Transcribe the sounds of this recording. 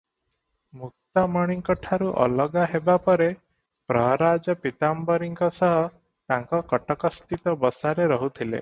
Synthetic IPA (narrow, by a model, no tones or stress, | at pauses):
muk̚t̪amɔɽ̃iŋkɔʈʰaɾuʔɔ̰lɔɡaɦebapɔɾe | pɾɔɦɾad͡ʒɔpit̪ambɔɾiŋkɔsɔɦɔ | t̪aŋkɔkɔʈɔkɔst̪it̪ɔbɔsaɾeɾɔɦut̪ʰilḛ